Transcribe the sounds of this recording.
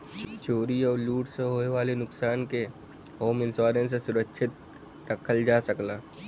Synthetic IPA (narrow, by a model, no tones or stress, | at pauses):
t͡ʃoːɾiɔːɾluːʈseɦoːeʋaːlenʊksaːnke | hoːmɪ̃nsaːɾẽs̬esʊɾəkʃʰɪt̪̚ | ɾəkʰəld͡ʒaːsəklaː